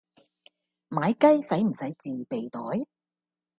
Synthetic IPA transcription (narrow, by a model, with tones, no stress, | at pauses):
maː˨˥jkɐ˥jsɐ˨˥jm̩˨˩sɐ˨˥jt͡siː˨pe˨jt̪ɔː˨˥j